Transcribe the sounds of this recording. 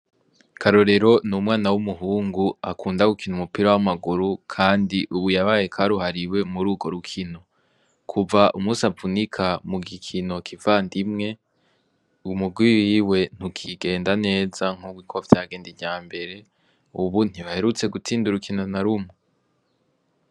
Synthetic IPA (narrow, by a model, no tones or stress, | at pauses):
kʰaɾo̞ɾe̞ɾo̞numŋaːnawumuɦuːŋɡuakʰuːndaɡukinumupiɾawamaɡuɾukʰaːndiʔuβujaβaːjekʰaɾuɦaɾiwe̞muɾuːɡo̞ɾukʰino̞ | kʰuvaʔumuːsavunikʰamuɡikʰino̞kʰivaːndimŋe̞ | umuɡwiwiːwe̞n̥hukʰiɡe̞ːndane̞ːzaŋ̥uɡwikʰovj̥aɡe̞ːndivjaːmbe̞ɾe̞ | uβun̥iβahe̞ɾut͡se̞ɡut͡siːnduɾukʰinonaɾumŋo